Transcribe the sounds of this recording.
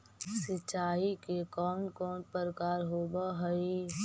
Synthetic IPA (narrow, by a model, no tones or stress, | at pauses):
sɪt͡ʃaːikekɔːnkɔːnpəɾkaːɾɦoːbaɦəi